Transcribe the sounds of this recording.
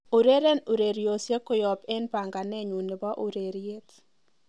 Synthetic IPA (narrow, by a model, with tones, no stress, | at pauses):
u˨ɾe˦ɾe˦nu˨ɾe˨ɾjo˨sje˦kʊ˦jɔ˨pɛ˦npa˨ŋɡa˨nɛ˦ɲu˨ne˨ba˦ʔu˨ɾe˨ɾje˦t